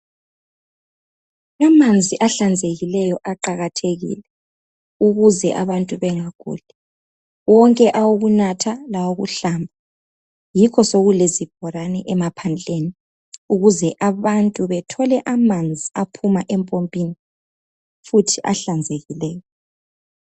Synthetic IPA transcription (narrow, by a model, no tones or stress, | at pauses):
amand͡zʱiʔaɬand͡zʱeɣilɛjɔʔaǃaɣatʰeɣḭːlɛ | uɣuzɛʔaβantʼuβɛŋaɡ̥ʱṵːlɛ | wɔŋkʼɛʔawuɣunatʰalawoɣuɬaːmbʱa | jikʰɔsoɣulezib̥ʱɔɾanɛʔɛmapʰand͡ɮʱeni | uɣuzɛʔaβantʼuβɛtʰɔlɛʔamand͡zʱiapʰumaʔɛmpʼompʼini | futʰiʔaɬand͡zʱeɣilɛːjɔ